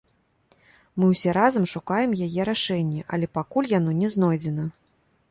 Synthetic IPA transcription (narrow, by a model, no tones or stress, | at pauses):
mɨwsʲɛɾazɐmʂukajɛmjajɛɾaʂɛnʲːɛʔɐ̰lʲɛpakulʲjan̪ɔnʲɛznɔjd͡zʲɛnɐ